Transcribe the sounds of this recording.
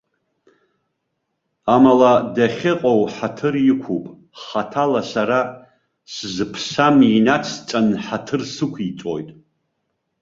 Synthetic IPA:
amaladaχʲɪqʼowħatʰɨrjɪkʷʰupʼ | χatʰalasaɾa | szɨpʰsaminat͡sʰt͡ʃʼanħatʰɨrsɨkʷʰit͡sʼo̰jtʼ

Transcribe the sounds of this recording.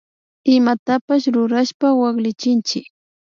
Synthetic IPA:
ɪmat̪apaʃɾʊɾaʃpawɑχlɪt͡ʃɪnt͡ʃɪk

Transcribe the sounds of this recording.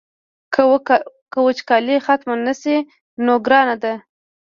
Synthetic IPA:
kəwət͡ʃkɑlixat̪manəsi | noɡɾɑnad̪a

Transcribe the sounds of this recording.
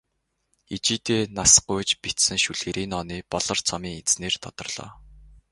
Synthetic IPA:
it͡ɕiːt̪eːnasɢʊjt͡ɕpit̪sɘ̆ŋʃuɮɣeːɾiːnɔːniːpɔɮɞ̆rt͡sʰɔmiːŋet͡sneːrt̪ʰɔt̪ɞ̆rɮ̥ɔ̰ː

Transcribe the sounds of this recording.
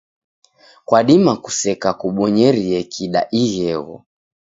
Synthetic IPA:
kwaɗimaku̥sɛkakuɓɔɲɛɾiɛkʰiɗa̰ʔiɣɛɣɔ̰

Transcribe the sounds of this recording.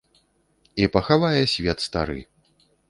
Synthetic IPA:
ipɐxavajɛsʲvʲɛt̪st̪a̰ɾɨ̰

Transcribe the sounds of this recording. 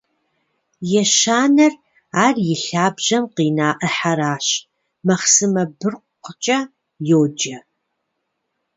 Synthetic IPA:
jɛʃaːnɐr | aːrjɪɬaːbʑɐmqiːnaːʔəħaɾaːɕ | mɐχsɨmɐbɨrqʷqʷt͡ʃʼɐ | joːd͡ʒɐ

